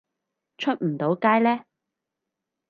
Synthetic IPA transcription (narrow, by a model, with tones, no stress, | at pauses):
t͡ʃʰɵ˥t̚m̩˨˩t̪o˨˧˥wkaː˥jlɛː˥